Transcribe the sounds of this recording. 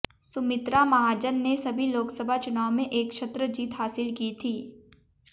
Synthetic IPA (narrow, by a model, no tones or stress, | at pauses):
sʊmɪt̪ɾamɐɦaːd͡ʒənːesɐbʱiloːksəbʱat͡ʃʊnaːomẽʔeːkʃɐt̪ɾəd͡ʒiːt̪ɦaːsɪlkit̪ʰiː